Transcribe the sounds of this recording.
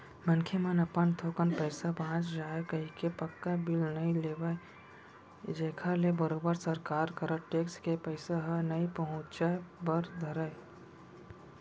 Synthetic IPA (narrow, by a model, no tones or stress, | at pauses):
mənkʰjemənɐpənt̪ʰokənpɛːsabãːt͡ʃd͡ʒaːekɐɦikepɐkːabɪlnɐĩleːʋae | d͡ʒeːkʰalebəɾoːbəɾsəɾkaːɾkəɾəʈeːkskepəɪsaɦənɐipəɦʊ̃t͡ʃabəɾd̪ʱɐɾae